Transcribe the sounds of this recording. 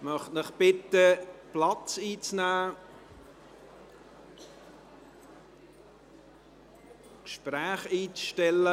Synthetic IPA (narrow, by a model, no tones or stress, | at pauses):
mœχtnɪχb̥ɪt̪əplɑt͡siːt͡snæː | kʃpræːχiːt͡sʃtɛlːə